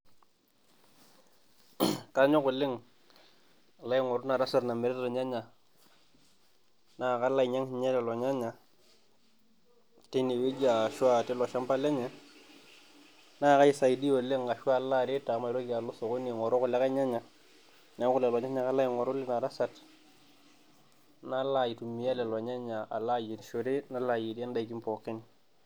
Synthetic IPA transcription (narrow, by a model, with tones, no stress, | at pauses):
ka˦ɲo˦kʊ˨lɪ˦ŋ˨ | la˦i˦ŋɔ˨ɾu˦na˨ɾa˦sa˨tna˨mɪ˨ɾɛ˦tlɔ˨ɲa˦ɲa˨ | na˦˨ka˦la˦i˨ɲa˦ŋ˨ɲe˦tɛ˨lɔ˨ɲa˦ɲa˨ | te˦ni˨wi˦d͡ʒa˨ʃa˨te˦lɔ˨ʃa˦mpa˦le˦ɲɛ˨ | na˦˨ka˦i˦sa˨i˨di˦o˨le˦ŋɡa˨ʃwa˦˨la˦ɾe˦ta˨˦ma˨˦lo˦ki˨a˨lo˦so˨ko˦ni˨ŋɔ˨ɾo˦kʊ˨le˦ka˦ɲa˦ɲa˨ | na˨˦kʊ˦le˨lɔ˨ɲa˦ɲa˨ka˦la˦ji˨ŋɔ˨ɾʊ˦lɪ˦na˨ɾa˦sa˨t | na˦la˨ji˨tu˨mi˨ja˦lɛ˨lɔ˨ɲa˦ɲa˨a̰˨la˦ji˨tʃo˨ɾe˦na˦la˨ji˨di˦a˦nda˦i˨ki˦mpɔ˨ke˦n˨